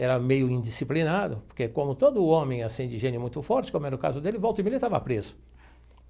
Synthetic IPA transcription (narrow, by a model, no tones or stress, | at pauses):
ɛɾɐmejʊĩd͡ʒisiplinad̪ʊpoɾkekõmʊt̪od̪ʊõmẽj̃asĩd͡ʒɪʒẽnɪʊmũj̃t̪ʊfɔɾt͡ʃɪkõmʊɛɾɐʊka̰zʊd̪elɪvowt̪oimelɪt̪avɐ̰pɾezʊ